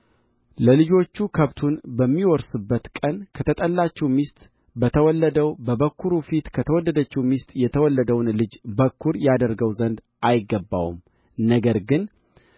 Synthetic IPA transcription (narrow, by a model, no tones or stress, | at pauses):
ləlɨd͡ʒo̞t͡ʃːukʰəβt̪ʰunbəmːiwɔɾsɨbːət̪kʼənkʰət̪ʰət̪ʼəlːat͡ʃːɛwmist̪ʼ | bət̪ʰəwɔlːəd̪əwbəβəkʰːuɾufit̪kʰət̪ʰəwɔlːəd̪ət͡ʃːɛwmist̪ʼjɛt̪ʰəwɔlːəd̪əwnlɨd͡ʒbəkʰːuɾjad̪əɾɡəwzənd̪ | ʔajɪɡːəbːa̰wṵm | nəɡəɾɡɨn